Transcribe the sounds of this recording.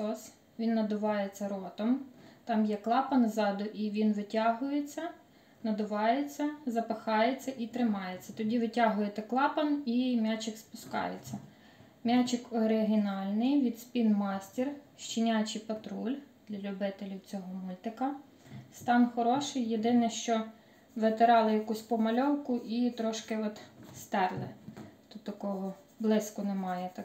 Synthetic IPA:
ɔs | ʋʲinːɐd̪ʊʋɑjet͡sʲːɐɾɔt̪ɔmt̪ɑmjɛklˠɑpɐnzɑd̪ʊʔiʋʲinʋɪtʲɑɦʊjet͡sʲːɐ | nɐd̪ʊʋɑjet͡sʲːɐzɐpɪxɑjet͡sʲːɐʔit̪ɾɪmɑjet͡sʲːɐt̪ɔdʲiʋɪtʲaɦʊjet̪ɛklˠɑpɐnimʲat͡ʃɪkspʊskɑ̰jḛt͡sʲːɐ | mʲat͡ʃɪkɔɾɪɦʲɪnɑlʲnɪjʋʲid̪spʲinmɑsʲtʲirʃt͡ʃinʲat͡ʃɪjpɐt̪ɾulʲd̪̥lʲɐlʲʊbɪt̪elʲiwt͡sʲɔɦɔmulʲt̪ɪkɐ | st̪ɑnxɔɾɔʃɪjːed̪ɪnɛʃt͡ʃɔ | ʋet̪eɾɑlˠɪjɐkusʲpɔmɐlʲɔwkʊʔit̪ɾɔʃkɪɔt̪st̪ɛrlˠɪ̰t̪ut̪ːɐkɔɦʊ | blˠɪskʊnemɑjɛt̪ɐ

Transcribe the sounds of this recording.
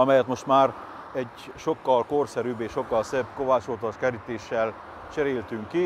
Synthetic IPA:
ɒmɛjɛt̪mo̞ʃt̪maːr | ɛɟ | ʃo̞kːɒlkorsɛɾyːbeːʃo̞kːɒlsɛbkovaːt͡ʃoːt̪oʃkɛɾit̪eːʃːɛl | t͡ʃɛɾeːlt̪yŋkːi

